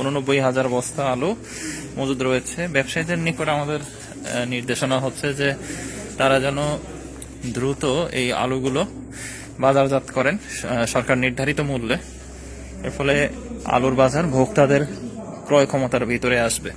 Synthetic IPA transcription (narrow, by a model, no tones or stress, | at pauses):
unonobːojɦad͡ʑaɾbɔst̪aalu | mod͡ʑud̪ɾojet͡ɕʰebɛbʃajd̪eɾnikoʈamad̪eɾ | niɾd̪eʃonaɦotːɕʰed͡ʑet̪aɾad͡ʑɛno | d̪ɾut̪oḛja̰luɡulo | bad͡ʑaɾd͡ʑat̪kɔɾenʃɔɾkaɾniɾd̪ʱaɾit̪omulːe | ḛɾfɔle | a̰luɾbad͡ʑaɾbʱoɡ̚t̪ad̪eɾ | kɾɔjkʰɔmot̪aɾbʱit̪oɾeaʃbe